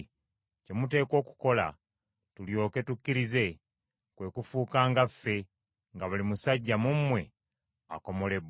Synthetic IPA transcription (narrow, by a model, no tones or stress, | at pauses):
ce̞mute̞ːko̞ːku̥ko̞la̰ | tuljo̞ːke̞tukːiɾize̞ | kwe̞kufuːkaːŋɡafːe̞ | ŋɡaβulimusaɟːamumwe̞ | a̰ko̞mo̞le̞b